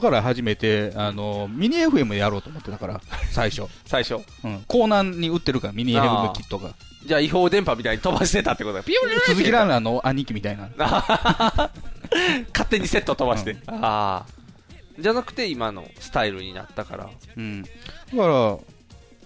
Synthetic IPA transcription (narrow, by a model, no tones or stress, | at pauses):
kaɾaɦaʑime̞t̪e̞ano̞mʲiɲ̟ieɸɯ̟e̞mɯjaɾo̞ːt̪oomo̞t̪ːet̪akaɾa̰saiɕo̞saiɕo | ɯ̟̃ɴko̞ːnãɲːiɯ̟t̪ːe̞ɾɯ̟kaɾamʲiɲ̟iaeɸɯemkʲit̪ːo̞ka | d͡ʑaːiɦo̞ːd̪ẽ̞mpamʲit̪aiɲit̪o̞baɕi̥t̪e̞t̪at̪ːekot̪oɡapioɨzɨkʲiɾãnano̞ʔaɲ̟ːĩkʲimʲit̪ainaa | kat̪ːe̞ɲ̟ise̞t̪ːot̪o̞baɕit̪e̞a | d͡ʑanakɯ̟̥t̪e̞imano̰sɨ̥t̪aiɾɯ̟̰ɲ̟ḭna̰t̪ːaka̰ɾa̰ɯ̟̃ːɴd̥̪akaɾa